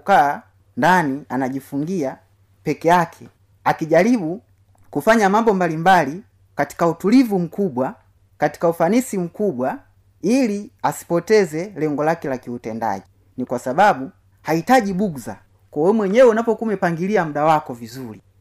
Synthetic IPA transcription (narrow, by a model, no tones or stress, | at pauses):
kaː | ndanianaʄifuŋɡia | pɛkɛjakʰɛ | akiʄalibu | kufaɲamambɔmbalimbali | kati̥kautulivum̩kuɓwa | kati̥kaufanisim̩kuɓwa | iliasi̥pɔtɛzɛlɛŋɡɔlakɛlakiutɛnda̰ʄi | nikwasababu | haitaɟibuɡza̰ | kɔwɛmwɛɲɛwɛunapɔkumɛpaŋɡiliamuɗawakɔvizuli